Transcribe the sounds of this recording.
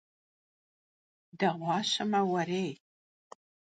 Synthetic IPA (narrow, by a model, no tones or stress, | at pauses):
dɐʁʷɑːɕɐmɐwɐɾeːj